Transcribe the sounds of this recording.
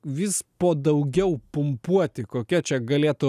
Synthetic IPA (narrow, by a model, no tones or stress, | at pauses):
ʋʲɪspoːd̪ɐʊɡʲɛʊpʊmpuɔt̪ʲɪkoːkʲɛt͡ʃʲɛɡɐlʲeːt̪ʊ